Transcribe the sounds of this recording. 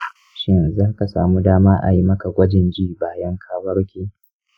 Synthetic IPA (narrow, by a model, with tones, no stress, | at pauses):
ʃɪ˦nzaː˦ha˦ka˨saː˨mu˦daː˦maː˦ʔa̰˨ji˦mɐ˦ka˨ɡʷɐ˦d͡ʒɪ˨nd͡ʒiː˦baː˦jɐ˦ŋkʰaː˦wɐ˦ɽkʲeː˨